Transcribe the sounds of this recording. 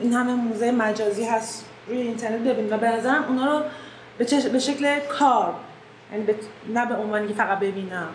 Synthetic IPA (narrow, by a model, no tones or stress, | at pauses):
ʔinhæmemuːzejemæd͡ʒɒːziːɦæst̪ | ɾuːjeint̪ʰe̞ɾnet̪̚be̞biːnivæbe̞næzæɾæmʔunɒːɾo | bet͡ʃʰeʃbeʃeclekʰɒːɾ | jæniːbenæbe̞onvɒːniŋkʲcʰefæɣæt̪̚be̞biːnæm